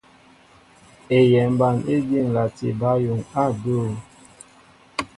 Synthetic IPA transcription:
e˨jɛ˨mba˨ne˦di˦˨ŋla˨tḛ˨ba˨˦jo˨ŋa˦˨do˦˨

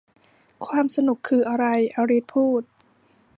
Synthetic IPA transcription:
kʰwaː˧msa˧nu˨˩kʰːɯː˧ʔa˧ɾa˧jʔa˧ɾiː˦˥t̪̚pʰuː˥˩t̪̚

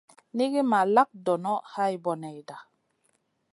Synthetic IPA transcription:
ni˦ɡi˦ma˨la˦k̚dɔ˨nɔ˦ha˦jbɔ˨nɛ˨jda˨

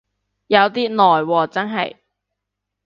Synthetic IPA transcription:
jɐ˨˧wt̪iː˥nɔː˨jwɔː˧t͡sɐ˥nɦɐ̰˨j

